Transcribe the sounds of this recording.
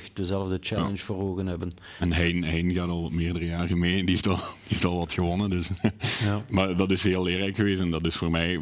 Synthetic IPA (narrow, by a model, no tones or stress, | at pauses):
xdəzɛlˠəvdət͡ʃɛl̰ənsforɦoːɣənɦɛbən | ɛnɦɛjnɦɛjnɣaːtɑlˠʋɑtmɪːrdərəjaːrəmeːndieftɑlˠd̥ieftɑlˠʋɑtxəʋɔnədɵs | maːrdɑtɪsɦɪːlˠɪːrlɛjkxəʋeːsɛndɑtɪsfoːrmɛj